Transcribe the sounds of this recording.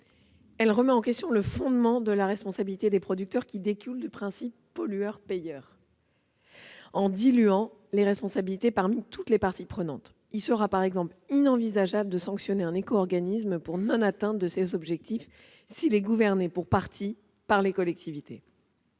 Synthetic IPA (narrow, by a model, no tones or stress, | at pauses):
ɛlʁəmɛɑ̃kʲɛst̪jɔ̃ləfɔ̃d̪mɑ̃d̪əlaʁɛspɔ̃sabilit̪ed̪epχɔd̪yk̚t̪œʁkʲid̪ekʲyld̪əpχɛ̃sipːɔlyœʁpejœːʁ | ɑ̃d̪ilyɑ̃ | leʁɛspɔ̃sabilit̪epaʁmit̪ʰut̪lepaʁt̪ipχənɑ̃t̪ | ilsəʁapaʁɛɡzɑ̃plinɑ̃vizaʒabləd̪əsɑ̃ksjɔneɛ̃nekɔːʁɡanismpuʁnɔ̃nat̪ɛ̃d̪əsezɔbʒɛk̚t̪if | silɛɡuvɛʁnepuʁpaʁt̪ʰi | paʁlekɔlɛk̚t̪ivit̪e